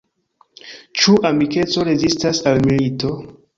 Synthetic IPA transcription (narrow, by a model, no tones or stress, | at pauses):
t͡ʃuʔamike̞t͡so̞ɾe̞zistasalmilito̞